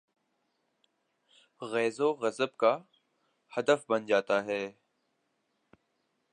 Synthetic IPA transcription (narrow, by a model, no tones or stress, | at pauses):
ɣɛːzoːɣɐzəbka | hɐd̪əfbɐnd͡ʒaːt̪aɦɛː